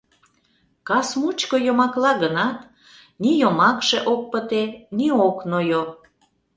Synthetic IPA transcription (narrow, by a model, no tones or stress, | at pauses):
kɑsmut͡ɕkojomɑklɑɣənɑt̪ | nijomɑkʃeʔok̚pət̪enioknojo